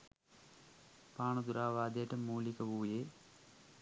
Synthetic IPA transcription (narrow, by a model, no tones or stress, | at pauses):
paːɳɐd̪uɾaːʋaːd̪eːʈːɐmːuːlikːɐbuːjeː